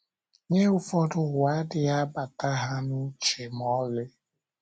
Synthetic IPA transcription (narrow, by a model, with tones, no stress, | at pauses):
ɲe˦ʊ˦fɔ˦dʊ˦˨ɣʷa˦dɪ˦a˦ba˨ta˦ɦa˦nʊ˦t͡ʃe˨m˨ɔ˦lɪ˦